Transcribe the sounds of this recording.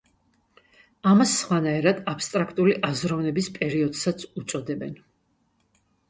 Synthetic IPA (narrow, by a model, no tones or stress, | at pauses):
amasːχwanaɛɾad̪apst̪ʼɾakʰt̪ʼuliʔazɾɔvnɛbispʼɛɾiɔd̪sat̪sʰut̪sʼɔd̪ɛbɛn